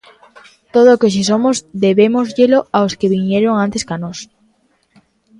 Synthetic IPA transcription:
t̪oð̞oːkoʃ̬is̬omozd̪eβemozʎeloaoskeβiɲeɾoŋãnt̪eskanos

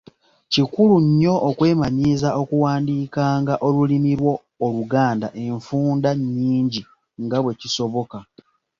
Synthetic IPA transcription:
cikuluɲːo̞ʔːkwe̞ːmaɲizao̞kuwaːndiːkaːŋɡaʔo̞lulimiɾwo̞ː | luɡaːndaʔe̞ɱfuːndaɲːiːɲɟi | ŋɡaβwe̞ciso̞βo̞ka

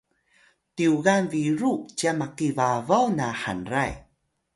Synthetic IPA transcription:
tiuɣanviɾut͡ɕamakivavawnaħa̰nra̰j

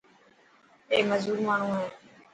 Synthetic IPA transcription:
eːməzuːɾmaːɳ̤ũːɦeː

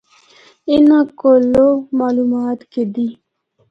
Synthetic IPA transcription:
inãkolomaːlumaːt̪ked̪i

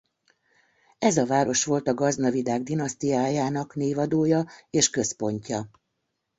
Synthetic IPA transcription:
ɛzɒvaːɾo̞ʃʋo̞lt̪ɒɡɒznɒvid̪aːɡd̪inɒst̪ijaːjaːnɒkneːvɒd̪oːjɒeːʃkø̞spo̞ɲcɒ

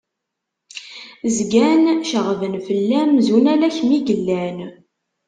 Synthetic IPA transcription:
zɡænʃəʁvənfəlːæmzunælæçmiɡəlːæn

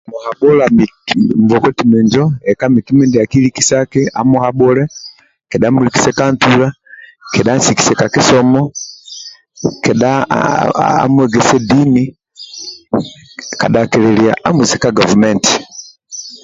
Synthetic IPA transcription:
muhaɓɔlamimvɔkɔtimɛɲd͡ʒɔɛkamikimindiakilikisakia̰muhaɓɔlɛ | kɛɗamuliki̥sɛkantulakɛɗansiki̥sɛkakisɔmɔ | kɛɗa | a̰mwɛɡɛsɛdini | ka̰ɗakɛlɛlia̰ʔamusɛkaɡɔvumɛnti̥

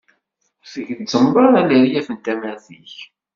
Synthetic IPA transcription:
fəʝðt͡sːəmbˤɑɾˤæləɾijæfənt̪æmæɾθiç

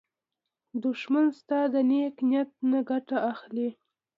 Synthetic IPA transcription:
d̪ʊʃmanst̪ɑd̪əneknjat̪̚naɡaʈaaxli

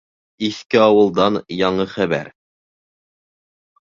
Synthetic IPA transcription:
iθkɘɑwɤ̆lˠd̪ɑnjɑɴɤχæβæ̰ɾ

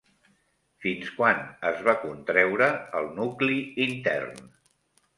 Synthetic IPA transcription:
finskwanəzβakunt̪ɾɛwɾəəlˠnukliːnt̪ɛ̰rn

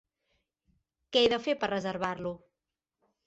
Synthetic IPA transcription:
kɛjðəfepərəzəɾβaɾlu

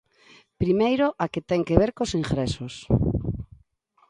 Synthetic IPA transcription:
pɾimejɾoʔaket̪ɛŋkeβeɾkosiŋxɾɛsos

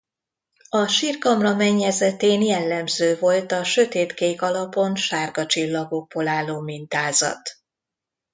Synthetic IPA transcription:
ɒʃiːrkɒmrɒmɛɲːɛzɛt̪eːnjɛlːɛmzøːvo̞lt̪ɒʃø̞t̪eːt̪keːkɒlɒpo̞nʃaːrɡɒt͡ʃilːɒɡo̞ɡ̚bolaːlːoːmint̪aːzɒ̰t̪

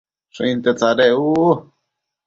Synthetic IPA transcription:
ʂõĩnt̪et͡saɾeu

